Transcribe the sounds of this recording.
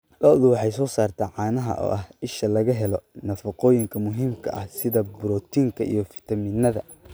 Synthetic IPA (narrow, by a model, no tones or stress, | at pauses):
lɐðʊwɑħɑjsɔːsaːrt̪ʰɛʕɑːnɐɦɐ̰ʔɔ̰ːʔɐhɪʃɐlɐɣɐɦɛlɔnɐfɑqɔːjɪŋkʰɐmʊɦiːmkʰɐ̰ʔɐ̰hsɪðɐbɾɔːt̪ʰiːŋkʰɐʔḭjɞfɪ̥t̪ʰɐmiːnɐðɐ̰